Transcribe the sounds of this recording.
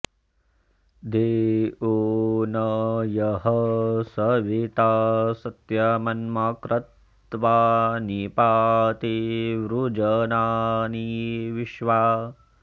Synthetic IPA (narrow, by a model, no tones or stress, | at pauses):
d̪eːunɐjɐɦɐsɐʋit̪aːsɐt̪jɐmɐnmakɾɐt̪ | ʋaːnipaːt̪iʋɾud͡ʒɐnaːniʋiʃʋaː